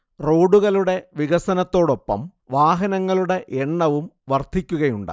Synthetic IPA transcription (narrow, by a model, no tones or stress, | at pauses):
ro̞ːɖuɣɐluɽe̞ʋiɣɐsɐnɐt̪ːo̞ːɽo̞pːɐ̰mʋaːɦɐnɐŋːɐɭuɽe̞ʔeɳːɐʋumʋɐrd̪ʱikʲːuɣɐjuɳɖa̰